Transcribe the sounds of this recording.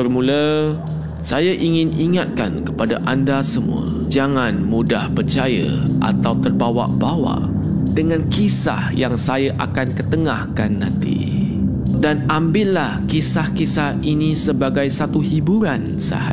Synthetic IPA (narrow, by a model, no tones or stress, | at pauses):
bərmulə | sajaʔiŋɪniŋat̪̚ka̰nkəpadaʔandasəmṵə̰ | d͡ʒaŋanmudahpərt͡ʃajə̰ʔa̰t̪awt̪ərbawa̰ʔbawa̰ʔ | dəŋãnkisa̰hjaŋsajaʔakankət̪əŋahkanːãnt̪ḭ | danambɪʔlahkisahkisahinisəbaɡajsat̪uhibuɾan | sa̰ha̰